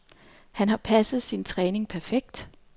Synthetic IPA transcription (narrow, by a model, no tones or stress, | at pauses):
hænɦɑ̈pʰæsð̞̩ˠsint͡sʰʁɛːne̝ŋpʰæɐfeɡ̥̚d̥